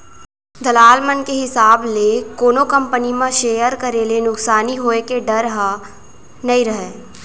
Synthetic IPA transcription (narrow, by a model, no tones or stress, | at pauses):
d̪ɐlaːlmənkeɦɪsaːblekoːnokə̃mpənimãʃeːjəɾkɐɾeːlenʊksaːniɦoːekeɖɐɾɦa | nɐĩɾɐɦeː